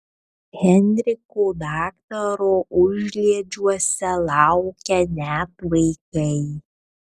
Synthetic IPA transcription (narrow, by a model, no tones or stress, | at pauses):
ɣʲɛnʲɾʲɪkuːd̪ɑːkt̪ɐɾoːʔʊʒʲlʲiɛd͡ʒʲuɔsʲɛlˠɑʊkʲɛnʲæt̪ʋɐɪkɐɪ